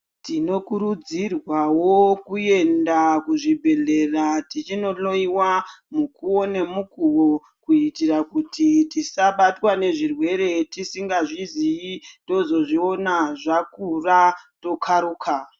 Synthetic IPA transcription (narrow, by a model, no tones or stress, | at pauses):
tino̞kuɾud͡zirwawokue̞ndakuʐibʱe̞ɮe̞ratit͡ʃino̞loiwamukuwo̞ne̞mukuwo̞ | kuitirakutitisaɓatwane̞ʐirwe̞ɾe̞tisiŋɡaʐiziindo̞zo̞ʐio̞naʐakurato̞kʰaɾuːkʰa